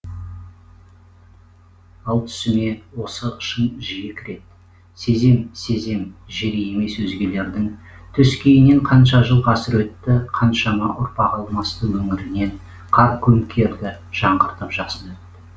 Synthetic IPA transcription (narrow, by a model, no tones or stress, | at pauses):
ɑlˠt̪ʰʏ̥sɪme̞wo̞səəʃənʒijɪkʲʰɾe̞t̪̚ | se̞ze̞mse̞ze̞mʒeɾeje̞me̞swɵzɡʲe̞le̞ɾd̪ɪŋ | t̪ʰʏskʲʰejɪne̞ɴqʰɑnʃɑʒəlˠʁɑsɪɾwɵt̪ːɪqʰɑnʃɑmɑʔʊɾpɑqɑlˠmɑst̪əwɵŋɪɾɪne̞n | qʰɑɾkʲʰɵmkʲʰe̞ɾd̪ɪ | ʒ̥ɑɴʁəɾt̪əpʒ̥ɑqsənwɵt̪ːɪ